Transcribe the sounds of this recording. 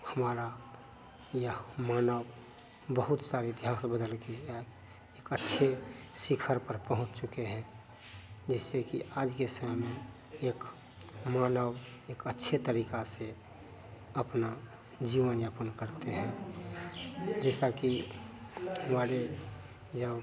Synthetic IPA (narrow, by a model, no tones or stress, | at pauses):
həmaːɾa | jəmaːnəw | bəɦʊt̪saːɾeɪt̪ɪɦaːsbəd̪əlkea | eːkətːʃʰesɪkʰəɾpəɾpəɦʊ̃t͡ʃt͡ʃʊkeɦɛ̃ | d͡ʒɛːsekiʔaːd͡ʒkesəmmẽ | eːk | maːnəw | eːkətːʃʰet̪əɾiːkase | əpna | d͡ʒiːʋənjapənkəɾt̪eɦɛ̃ | d͡ʒɛːsaki | ʋaːɽe | d͡ʒəb